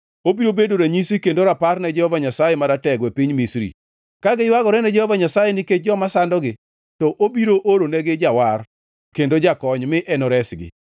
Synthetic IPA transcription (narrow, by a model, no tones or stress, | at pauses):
obiɾobedoɾaɲisikendoɾaparnɛd͡ʒɛhɔvaɲasajɛmaɾatɛɡwɛpiɲmisɾḭ | kaɡɪwaɡɔɾɛnɛd͡ʒɛhɔvaɲasajɛnɪked͡ʒɔmasandɔɡɪ | tɔʔobiɾoʔoɾonɛɡɪd͡ʒawar | kendod͡ʒakɔɲmɪʔɛnɔɾɛsɡɪ̰